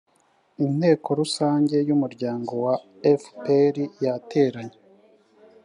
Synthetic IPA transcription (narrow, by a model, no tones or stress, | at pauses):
in̥he̞ːko̞ɾusaːɲɟe̞jumuɾɟaːŋɡo̞wa | efpeɾijatʰe̞ːɾaɲe